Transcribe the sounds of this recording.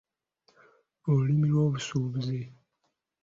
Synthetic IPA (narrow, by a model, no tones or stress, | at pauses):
olulimilwo̞ːβusuːβuze